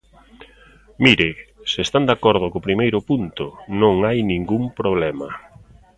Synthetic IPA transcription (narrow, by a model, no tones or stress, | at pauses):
miɾɪsɪest̪and̪akɔɾð̞ʊkopɾimejɾʊpunt̪ʊnõŋajnĩŋɡumpɾoβ̞lɛmɐ